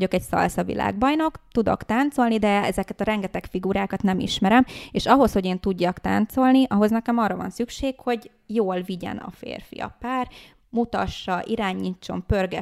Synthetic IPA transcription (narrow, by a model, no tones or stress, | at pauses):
ɟo̞kɛcsɒ̰lsɒvḭlʔa̰ːɡbɒjno̞kt̪ud̪o̞̰kt̪aːnt̪so̞lnid̪ɛɛ̰zɛkɛt̪ɒɾɛŋɡɛt̪ɛkfiɡuɾaːkɒt̪nɛmḭʃmɛɾɛmeːʃɒɦo̞sho̞ɟeːnt̪uɟːɒkt̪a̰ːnt̪so̞lniʔɒɦo̞znɛkɛmɒːrːɒvɒ̰nsykʃeːkho̞ɟ | joːlviɟɛ̰nɒ̰fḛːrfḭɒ̰paːr | mut̪ɒʃːɒʔiɾaːɲːit͡ʃːo̞̰mpørɡɛ